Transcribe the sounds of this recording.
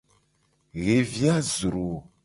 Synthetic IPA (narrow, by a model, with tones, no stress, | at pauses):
ɣe˨vi˦a˦zɾo˨